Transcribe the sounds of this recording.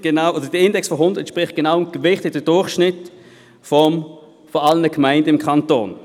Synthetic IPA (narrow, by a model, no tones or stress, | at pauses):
ɡ̥enaʊʔoːdəd̥iɪndɛksfɔɦʊndətʃpʁɪχt̚ɡ̥ənaʊmɡ̥əvɪχtɪɡ̚d̥əd̥ʊɐχʃnɪt | fɔm | fɔɑlənəkmaɪndəɪmkʰɑnto̰ːn